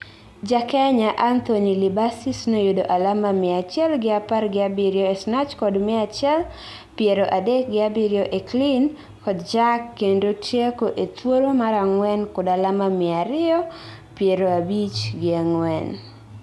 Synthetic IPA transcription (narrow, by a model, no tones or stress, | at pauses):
d͡ʒakɛɲaʔant̪oɲilibasisnojodoʔalamamɪat͡ʃɛlɡɪaparɡɪabɪɾjɔesnat͡ʃkɔdmɪat͡ʃɛl | pjeɾoʔadek̚ɡɪabiɾjɔʔeklin | kɔdd͡ʒakːendotjekoʔet̪woɾomaɾaŋwɛnkʊdalamamɪaɾɪɔ | pjeɾoabit͡ʃɡɪaŋwɛn